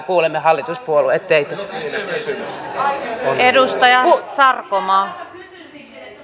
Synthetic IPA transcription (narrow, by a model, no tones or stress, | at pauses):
kuːlemːehɑlːit̪uspuoluet̪ːeit̪o | edust̪ɑjɑsɑrkomɑː